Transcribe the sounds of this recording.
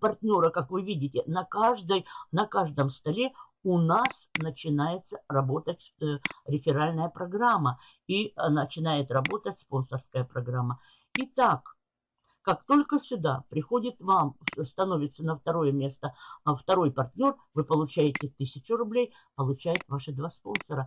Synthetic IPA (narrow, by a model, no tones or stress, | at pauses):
pɐrtʲnʲo̞ɾəkakvɨvʲidʲɪtʲɪnɐkaʐd̪əjnɐkaʐd̪əmst̪ɐlʲe̞ | ʊnasnət͡ɕɪnajɪt̪sərɐbo̞t̪ət̚ʲ | ɾʲɪfʲɪɾalʲnəjəpɾɐɡɾamːə | inət͡ɕɪnajɪt̪rɐbo̞t̪ətʲspo̞nsərskəjəpɾɐɡɾamːə | it̪ak | kːakt̪o̞lʲkəsʲʊd̪apɾʲɪxo̞dʲɪt̪vamst̪ɐno̞vʲɪt̪sənəft̪ɐɾo̞jəmʲe̞st̪əft̪ɐɾo̞jpɐrtʲnʲo̞r | vɨpəlˠʊt͡ɕæjɪtʲɪt̪ɨsʲɪt͡ɕʊɾʊblʲej | pəlˠʊt͡ɕæjɪt̪vaʂɨd̪vaspo̞nsəɾə